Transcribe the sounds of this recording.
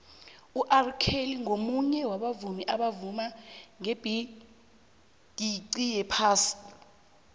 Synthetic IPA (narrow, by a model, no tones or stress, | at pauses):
uʔarkʰeliŋomuɲɛwaɓavumiʔaɓavumaŋeb̥ʱi | d̥ʱiǀijɛpʰaːsi̥